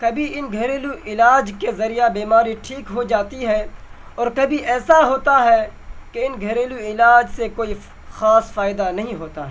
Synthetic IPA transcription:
kɐbʱiɪnɡʱɐɾeːluʔɪlaːd͡ʒkezɐɾijabiːmaːɾiʈʰiːkɦod͡ʒaːt̪iɦɛ | ɔːɾkɐbʱiʔɛːsaɦoːt̪aɦɛkeɪnɡʱɐɾeːluɪlaːd͡ʒsekoːi | xaːsfaːɪd̪anɐɦĩɦoːt̪aɦɛː

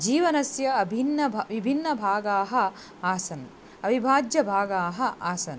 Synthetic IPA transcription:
d͡ʒiːʋɐnɐsjɐɐbʱinːɐʋibʱinːɐbʱaːɡaːɦɐ̆ | aːsɐn | ɐbʱibʱaːd͡ʒjɐbʱaːɡaːɦɐʔaːsɐn

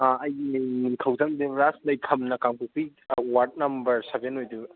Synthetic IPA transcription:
aɐjnimiŋkʰɐwzand̪uɾaslɐjkʰɐmnɐkaŋpupiwaɾt̚nɐmbɐɾsebenojdu

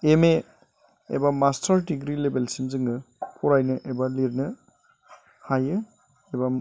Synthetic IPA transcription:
eme | ḛbamastʰaɾdiɡɾilebelsinzɯŋɯpʰɔɾajnɯʔebaliɾnɯ | hajɯ | eba

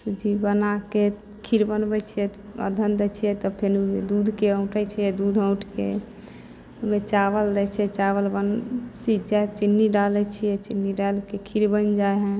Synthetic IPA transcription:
sud͡ʒibənake | kʰiɾbənbɛt͡ʃʰijɛə̰d̪ʱənd̪ɛt͡ʃʰijɛt̪ɔpʰenud̪ud̪ʱkeə̃ũʈɛt͡ʃʰijɛd̪ud̪ʱə̃w̃ʈʰkḛ | umet͡ʃaβəld̪ɛt͡ʃʰɛt͡ʃaβəlbənsid͡ʒat͡ʃinːiɖalɛt͡ʃʰijɛt͡ʃinːiɖalkekʰiɾbənd͡ʒaeɦɛ̃

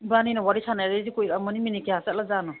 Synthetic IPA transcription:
baninɔwaɾisʰanajɾezikujɾamɔniminikeasaʔ̚lazanɔ

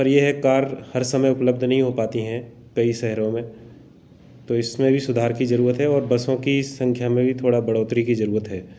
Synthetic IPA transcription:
ɐɾjeɦɛkaːɾhɐɾsɐməjʊpləb̚d̪ʱnɐɦĩɦopaːt̪iɦɛ̃ | kɐisɛɦɾõmẽ | t̪oːɪsmẽbʱisʊd̪ʱaːɾkizɐɾuːɾət̪ɦɛɔːɾbɐsõkisɐ̃ŋkʰjamẽbʱit̪ʰoːɽabɐɽoːt̪ɾikizɐɾuːɾət̪ɦɛː

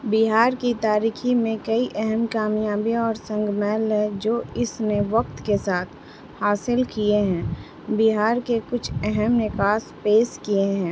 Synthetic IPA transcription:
bɪɦaːɾkit̪aːɾiːximẽkɐiʔɛɦɛmkaːmjaːbiɔːɾsə̃ŋɡmɛːlɦɛ̃d͡ʒoːɪsneʋɐk̚t̪kesaːt̪ʰ | haːsɪlkieɦɛ̃ː | bɪɦaːɾkekʊt͡ʃʰɛɦɛmnɪkaːspeːskieɦɛ̃ː

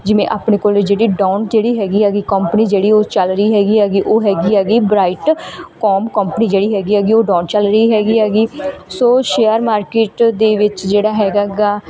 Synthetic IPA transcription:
d͡ʒɪʋẽːʔaːpneːkoːld͡ʒeːɽiːɖãːɳd͡ʒeːɽiːɦɛːɡiːɦɛːɡiːkəmpniːd͡ʒeːɽiːoːt͡ʃəlɾəiːɦɛːɡiːɦɛːɡiːʔoːɦɛːɡiːɦɛːɡiːbɾaːɪʈkɔːmkəmpəniːd͡ʒeːɽiːɦɛːɡiːɦɛːɡiːoːɖãːɳt͡ʃəlɾəiːɦɛːɡiːɦɛːɡiːsoːʃeːjəɾmaːɾkeːʈd̪eːʋɪt͡ʃd͡ʒeːɽaːɦɛːɡaːɡaː

